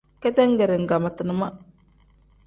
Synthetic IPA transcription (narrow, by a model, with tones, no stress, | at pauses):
kɛ˦tɛ˦ŋ̩˦ɡɛ˨ɾɛ˨ŋ̩˨ɡa˨ma˨tɨ˨nə˦ma˦